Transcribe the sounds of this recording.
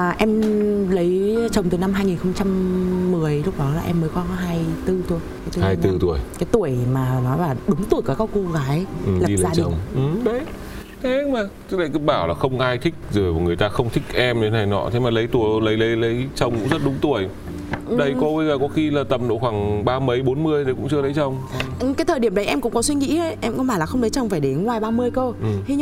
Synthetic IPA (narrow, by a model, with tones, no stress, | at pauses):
ʔɛ˧mlə˨˦jt͡ɕə˨˩wŋ͡mt̪ɨ˨˩na˧mɦaː˧jŋi˨˩nxə˧wŋ͡mt͡ɕa˧mːɨ˨˩əjlʊ˦˥k͡p̚ɗɔ˨˦laː˨˩ʔɛ˧mːəː˨˦jkwaː˧˦ɦaː˧jt̪ɨ˧t̪u˧˩əjkaː˨˦j̪haː˨˧jt̪ɨ˧t̪u˨˧˩əjkaː˨˦jt̪u˧˩əjmaː˨˩nɔ˨˦jlaː˨˩ɗʊ˨˦ŋ͡mt̪u˧˩əjkaː˨˩kaː˦˥kko˧ɣaː˨˦jlaː˨ɗi˧lə˨zaː˦˧ɗt͡ɕi˨ə˨˩˨ŋ͡mʔɨ˨˩ɗə˧j | t̪ʰɛ˨˦˧maː˨˩t͡ɕ̚ːla̰˧˨jkɨ˧˥ɓaː˧˩wlaː˨˩xə˧wŋ͡mʔaː˧jt̪ʰï˦˥k̟̚zo˨˩jmɔ˨˩ŋɨ˨˩əjt̪aː˧xə˧wŋ͡mt̪ʰï˦˥k̚ʔɛ˧m˨˦na˨˩jnɔ̰˧˥t̪ʰe˨˦maː˨˩lə˨˦jt̪u˨˩ə˧lə˨˦jlə˨˦jlə˨˦jt͡ɕə˧˩wŋ͡mkʊ̰˧˥ŋ͡mzə˦˥t̚ɗʊ˨˦ŋ͡mt̪u˧˩əj | ʔɗə˧jkɔ˨˦ɓə˧jzəː˨˩kɔ˨˦xi˧laː˨˩t̪ə˨˩m̚ɗo̰˧˩xwaː˧˩ŋɓaː˧mə˨˦jɓo˨˦nmɨ˧əjt̪ʰə˨˦kʊ̰˧˥ŋ͡mt͡ɕɨ˧ələ˨˦jt͡ɕə˧˩wŋ͡mʔɨ˨˩kaː˨˦jt̪ʰəː˨˩jɗi˧˩əmɗə˨˦jʔɛ˧mkʊ̰˧˥ŋ͡mkɔ˨˦swi˧ŋḭ˧˥ə˨˦jʔɛ˧mkɓaː˧˩laː˨˩xə˧wŋ͡mlə˨˦jt͡ɕə˧˩wŋ͡mfaː˧˩jɗe˨˦nŋwaː˨˩jɓaː˧mɨ˧əjkə˧ʔɨ˩t̪ʰi˧˦˧